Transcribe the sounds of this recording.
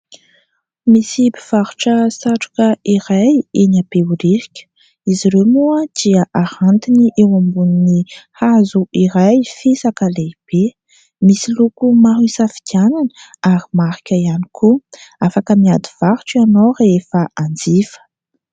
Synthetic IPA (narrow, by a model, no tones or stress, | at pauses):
misibiv̥aɾuʈ͡ʂəsaʈ͡ʂu̥kəiɾajenapeuɾiɾikʲə̥ | iziɾewmuəd̪̥iəʔahant̪iniʔewambuninihazuʔiɾajfesakaleb̥e | misilukumaɦisafi̥kananəaɾimaɾi̥kʲəianikʰuafakəmiad̪iv̥aɾu̥ʈ͡ʂianorefəand͡zifə̥